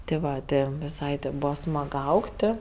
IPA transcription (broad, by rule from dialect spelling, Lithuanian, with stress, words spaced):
tʲɪ ˈʋɐ ˈtʲɪ ʋʲɪˈsɐɪ tʲɪ ˈbuːʋɐ ˈsmɐk ˈɐʊktʲɪ